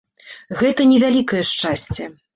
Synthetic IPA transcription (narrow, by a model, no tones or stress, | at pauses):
ɣɛt̪ɐnʲɛvʲalʲikɐjɛʂt͡ʂasʲt͡sʲɛ